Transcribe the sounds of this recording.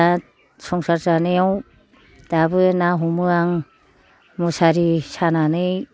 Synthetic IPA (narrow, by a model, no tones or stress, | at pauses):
a | sɔŋsaɾtanɯjaw | d̥abɯnaɦumɯaŋ | mɔsaɾisananɯj